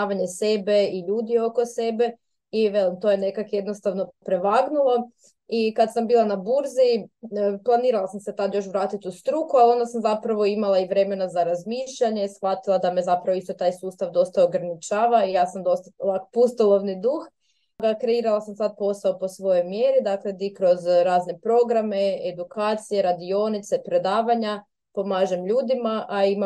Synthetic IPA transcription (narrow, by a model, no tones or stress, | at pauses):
aʋaɲe̞se̞be̞iʎuːd̪io̞ko̞se̞be̞ | iʋelimt̪o̞jene̞kakje̞d̪nost̪aʋno̞pɾe̞ʋaːɡnulˠa | ikad̪sambiːlˠanabuɾzi | plˠaniːɾalˠasamse̞t̪ad̪jo̞ʃ̬ʋɾaːt̪it̪ust̪ɾukualio̞nd̪asamzapɾaʋo̞imalˠaiʋɾe̞me̞nazaɾazmiːʃʎaɲesxʋat̪ilˠad̪amezapɾaʋoist̪o̞t̪aːjsuːst̪aʋd̪o̞st̪aoɡɾanit͡ʃaːʋaijaːsamd̪o̞st̪alapust̪olˠo̞ʋnid̪ux | ɡakɾe̞iɾalˠasamsad̪̚po̞saopo̞sʋo̞jo̞jmjeɾid̪akle̞d̪ikɾo̞zɾaːzne̞pɾo̞ɡɾame̞ed̪ukaːt̪sije̞ɾad̪io̞nit̪sepɾe̞d̪aːʋaɲa | po̞maːʒemʎuːd̪imaʔaima